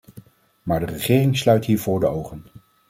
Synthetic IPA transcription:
maːɹdərəχɪːrɪŋslœɥtɦiːɹvʊːɹdəowχən

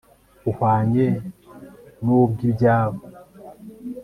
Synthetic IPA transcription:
uhwaːɲe | nubɡibɟaːβo

